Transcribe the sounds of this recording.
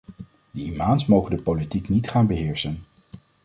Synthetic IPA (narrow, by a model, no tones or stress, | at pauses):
d̥əimaːnsmowχəndəpolitiknitχaːnbəɦɪːɹsən